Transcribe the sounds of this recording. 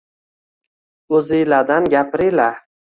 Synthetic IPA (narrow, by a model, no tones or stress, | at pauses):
ɵzilad̪anɡʲapɾila